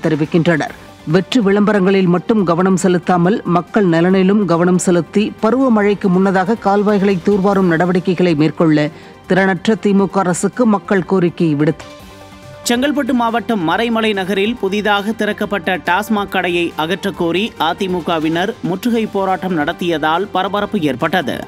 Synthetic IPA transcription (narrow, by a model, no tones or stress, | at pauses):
t̪ːɛɾɪʋɪkːɪndrɐnɐ̰ɾ | ʋɛʈrɯʋɪɭɐmbɐɾɐŋɡɐɭɪlmɐʈːɯmɡɐʋɐnɐmsɛlɯt̪ːaːmɐlmɐkːɐɭnɐlɐnɐlɯmɡɐʋɐɳɐmsɛlɯt̪ːipɐɾɯʋɐmɐɻɐɪkːɯmʊnːɐðaːɣɐkaːlʋaːjɣɐɭɐɪt̪ːuːɾʋaːɾɯmnɐɽɐʋɐɽɪkːɐɪɣɐɭɐɪmeːrkɔɭːɐ | t̪ɪɾɐnɐʈrɐt̪iːmuːkːaːɾɐsɯkːɯmɐkːɐɭkoːɾɪkːɐʋɪɽɯt̪ːɐ̥ | t͡ʃɛŋɡɐɭpɐʈːɯmaːʋɐʈːɐmːɐɾɐɪmɐlɐɪnɐɣɐɾɪlpʊðɪðaːɣɐt̪ɪɾɐkːɐpːɐʈːɐʈaːsmaːkːɐɽɐjɐɪʔɐɣɐʈrɐkːoːɾiʔaːt̪imuːkaːʋɪnɐɾmʊʈrɯɣɐɪpoːɾaːʈːɐmnɐɽɐt̪ːɪjɐðaːlpɐɾɐbɐɾɐpːɯeːrpɐʈːɐðɯ̰